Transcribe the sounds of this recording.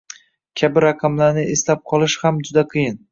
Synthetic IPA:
kʲʰabɪɾaqʰɑmlaɾnɪeslap̚qʰɒlˠɪʃhamd͡ʒʊd̪aqʰɨjɪn

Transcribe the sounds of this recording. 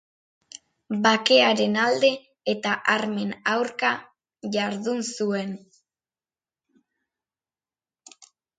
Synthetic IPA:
bake̞aɾe̞nald̪e̞ː | t̪aʔaɾme̞nawɾka | ʝaɾðunsue̞n

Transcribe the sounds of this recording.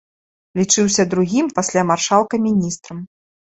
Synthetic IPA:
lʲit͡ʂɨwsʲɐd̪ɾuɣʲimpasʲlʲamarʂalˠkɐmʲinʲist̪ɾɐm

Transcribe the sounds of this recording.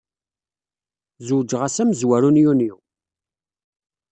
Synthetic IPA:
zuwd͡ʒʁasæməzwæɾunjuniw

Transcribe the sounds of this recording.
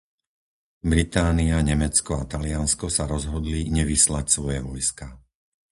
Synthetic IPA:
bɾit̪aːniaɲɛmɛt͡skɔat̪alɪanskɔsaɾɔzɦɔd̪liɲɛʋislacsʋɔjɛʋɔjska

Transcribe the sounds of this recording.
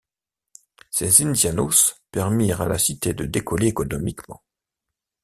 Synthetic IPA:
sɛzind̪janospɛʁmiʁa̰lasit̪ed̪əd̪ekɔleːkɔnɔmikmɑ̰̃

